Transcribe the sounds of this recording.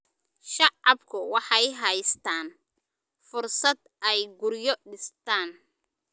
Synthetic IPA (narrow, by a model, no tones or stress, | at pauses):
ʃɑʕɑbkʰʊwɑħɑjɦɛjst̪ʰaːn | fʊrsɐd̪ʔɛjɡʊɾjɔɖɪst̪ʰaːn